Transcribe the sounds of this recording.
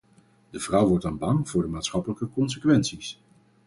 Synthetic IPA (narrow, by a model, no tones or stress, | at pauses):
dəv̥rʌwʋɔɹtɔnbɑŋv̥ʊːɹdəmaːtsχɑpələkəkɔns̬əkʋɛnsis